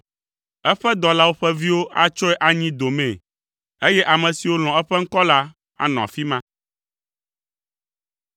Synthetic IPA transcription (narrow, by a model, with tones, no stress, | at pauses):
ɛ˦ɸɛ˦d̪ɔ˨la˦wo˦ɸɛ˦vi˦wo˦ʔa˦t͡ʃɔ˦ɛ˦ʔa˨ɲĩ˦d̪o˨mɛ̃˨ | e˦jɛ˦ʔa˨mɛ̃˨si˨wo˦l̃ɔ̃˨ɛ˦ɸɛ˦ŋ̩˦kɔ˦la˦ | a̰˨nɔ̃˨a̰˨fi˦mã˦